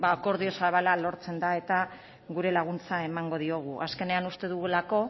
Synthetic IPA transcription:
baːko̞ɾðio̞saβalalo̞ɾt͡se̞nd̪ae̞t̪a | ɣuɾe̞laɣ̞unt͡sae̞maŋɡo̞ðio̞ɣ̞uʔaske̞ne̞anust̪e̞ðuɣulako̞

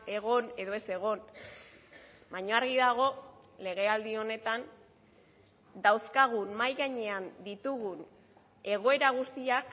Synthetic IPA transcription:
e̞ɣo̞ne̞ðo̞e̞se̞ɣ̞o̞n | maɲoaɾɣiðaɣ̞o̞ | le̞ɣ̞e̞ald̪io̞ne̞t̪an | d̪awskaɣ̞unmajɣaɲe̞and̪it̪uɣun | e̞ɣ̞o̞e̞ɾaɣ̞ust̪iak

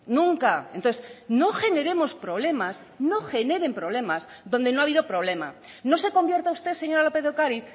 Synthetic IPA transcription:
nũŋkaenonθesno̞xe̞ne̞ɾe̞mo̞spɾo̞βle̞mas | no̞xe̞ne̞ɾe̞mpɾo̞β̞le̞maz | ðo̞nd̪e̞noaβiðopɾo̞β̞le̞ma̰ | no̞se̞ko̞mbje̞ɾt̪aust̪e̞se̞ɲo̞ɾalo̞pe̞ðokaɾiθ

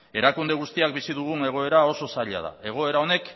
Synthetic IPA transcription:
e̞ɾakund̪e̞ɣ̞ust̪iakbisiðuɣ̞une̞ɣ̞o̞e̞ɾao̞so̞saʎa̰ða̰e̞ɣ̞o̞e̞ɾao̞ne̞k

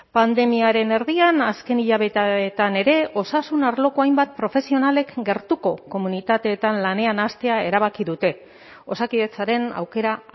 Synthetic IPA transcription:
pand̪e̞miaɾe̞ne̞ɾðianaske̞niʎaβ̞e̞t̪aet̪ane̞ɾe̞o̞sasunaɾlo̞koajmbat̪̚pɾo̞fe̞sio̞nale̞kɡe̞ɾt̪uko̞ko̞munit̪at̪eːt̪anlane̞anast̪e̞ae̞ɾaβ̞akiðut̪e̞ | o̞sakiðe̞t͡saɾe̞na̰wke̞ɾa

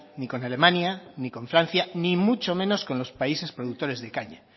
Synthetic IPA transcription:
niko̞nale̞mãnjaniko̞ɱfɾan̟θjanimut͡ʃo̞mẽ̞no̞sko̞nlo̞spaise̞spɾo̞ðuk̚t̪o̞ɾe̞zðekaɲa

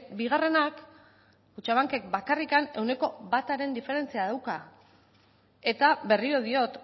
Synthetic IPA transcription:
biɣ̞are̞nak | kut͡ʃaβ̞aŋke̞k̚bakarikane̞wne̞ko̞βat̪aɾe̞nd̪ife̞ɾe̞nt͡siaðawka | e̞t̪aβe̞riɾo̞ð̞io̞t̪

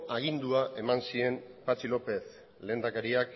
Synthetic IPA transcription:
aɣ̞ind̪uaʔe̞mansie̞mpat͡ʃilo̞pe̞θ | le̞ːnd̪akaɾiak

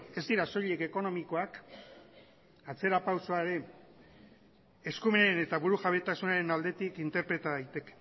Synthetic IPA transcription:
e̞zd̪iɾaso̞ʎe̞ke̞ko̞no̞miko̞ak | at͡se̞ɾapawsoaeɾe̞ | eskumeene̞t̪aβuɾuʝaβe̞t̪asunaɾe̞nald̪e̞t̪ikint̪e̞ɾpɾe̞t̪aðajt̪e̞ke̥

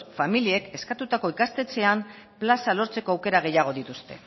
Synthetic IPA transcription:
familie̞ke̞skat̪ut̪ako̞ikast̪e̞t͡se̞am | plasalo̞ɾt͡se̞ko̞awke̞ɾaɣ̞e̞jaɣ̞o̞ðit̪ust̪e̞̰

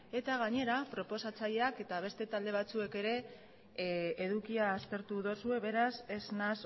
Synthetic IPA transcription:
e̞t̪aɣ̞aɲe̞ɾapɾo̞po̞sat͡saʎe̞ake̞t̪aβ̞e̞st̪e̞t̪ald̪e̞β̞at͡sue̞ke̞ɾe̞ | ðukiaːst̪e̞ɾt̪uðo̞sue̞βe̞ɾase̞znas

